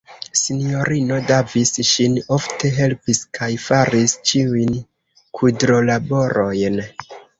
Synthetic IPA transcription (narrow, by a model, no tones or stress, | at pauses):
sinijo̞ɾino̞davisʃinoftʰe̞ɦe̞lpiskʰajfaɾist͡ʃiujn | kʰudɾo̞labo̞ɾo̞jn